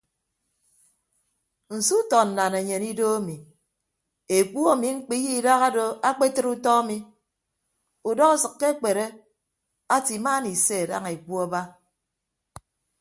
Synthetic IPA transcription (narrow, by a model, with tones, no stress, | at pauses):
n̩˨su˦tɔ˨n̩˨na˨ne˨ɲe˨ni˦do˦a˦mi˨ | e˨k͡pu˦a˦mi˨ŋ͡m̩˦k͡pi˦ji˦˨da˦ɣa˦do˨a˦k͡pe˦tɨ˦ɾu˦tɔ˦a˦mi˨ | u˨dɔ˦ɣu˦sɨ˨kːe˦k͡pe˨ɾe˦ | a˦ti˨maː˦ni˨se˦˨da̰˦ŋe˨k͡pu˦a˦ba˦